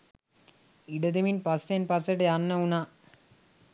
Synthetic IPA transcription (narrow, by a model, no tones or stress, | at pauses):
iɖɐd̪eminpasenpaseʈəjanːɐuna